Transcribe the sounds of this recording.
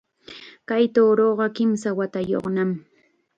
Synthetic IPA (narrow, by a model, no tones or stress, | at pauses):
kajt̪oɾoɢɑkɪmsawat̪ajo̰χnam